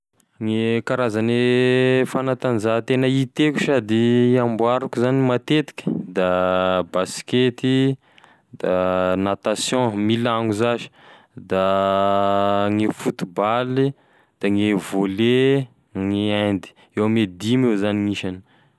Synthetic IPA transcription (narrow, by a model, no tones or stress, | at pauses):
ŋekaɾazanefanat̪anzat̪enəit̪eku̥ʃad̪iãmbwaɾukuzanimat̪et̪i̥kʲə̥d̪abasket̪i | d̪anat̪asjɔ̃milaŋuzaʒi̥ | d̪a | ŋifut̪ubali | d̪̥aŋevole | ŋiãnd̪i̥ | ewamed̪imewzaniŋiʃan